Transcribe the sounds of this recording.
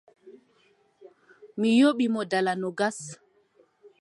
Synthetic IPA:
mijoɓimɔdalanɔɡas

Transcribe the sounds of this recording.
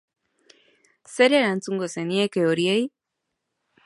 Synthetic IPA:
seɾeɾant͡suŋɡoseniekeoɾiej

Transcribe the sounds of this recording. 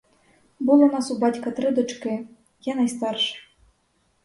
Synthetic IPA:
bɨlˠɔnasubat͡sʲkɐt̪ɾɨd̪ut͡ʂkɛ | janajst̪arʂɨ̥

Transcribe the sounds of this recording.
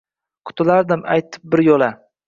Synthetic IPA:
qʰʊ̥t̪ʰɪlaɾd̪ɪma̰jt̪ʰɪ̥p̚bɪɾjola

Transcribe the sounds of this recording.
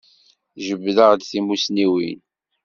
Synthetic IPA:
θʒəbːðəʁd̪θimusniwḭn

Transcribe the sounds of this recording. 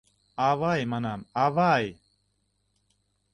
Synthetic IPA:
avajmanamavaj

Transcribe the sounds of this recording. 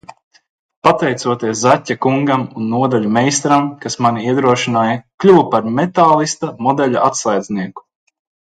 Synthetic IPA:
pat̪ɛjt̪suɔt̪iɛszatʲːakuŋɡamunːuɔd̪aʎʲumɛjst̪ɾamkasmaniiɛd̪ɾuɔʃinaːjaklʲuwpaɾmet̪aːlˠist̪amɔd̪ɛʎʲaʔat̪sajd̪zniɛku̥

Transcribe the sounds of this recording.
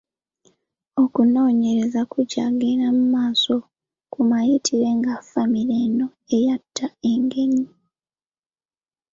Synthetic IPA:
o̞kuno̞ːɲe̞ɾe̞zakuɟa̰ɡeɾamumaːso̞ | kumajitʰiɾe̞ŋɡafamiɾeːno̞ | ejatʰːae̞ŋɡe̞ɲi

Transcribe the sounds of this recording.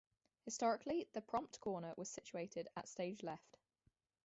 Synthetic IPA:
hɪstɒɹɪkʰliðəpʰɹ̥ɒ̃mp̚tkʰɔːnəwʔɒz̥sɪt͡ʃueɪtʰɪdə̰tsteɪd͡ʒlɛft

